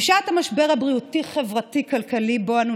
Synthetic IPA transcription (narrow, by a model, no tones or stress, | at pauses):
ʃat̪hamaʃbeʁabʁiutiχe̞vʁatikalkaliboanu